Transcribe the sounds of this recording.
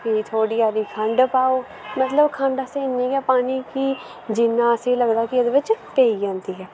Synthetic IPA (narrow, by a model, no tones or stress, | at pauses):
kit̪ʰoːɽiːjaːd̪iːkʰəɳɖpaːoː | mət̪ləbkʰəɳɖəseːɪnːẽːɡɛːpaːniːkɪ | d͡ʒɪnːãːəsẽːləɡd̪aːkɪəd̪ʋɪt͡ʃpeːiːd͡ʒãːnd̪iːɦɛː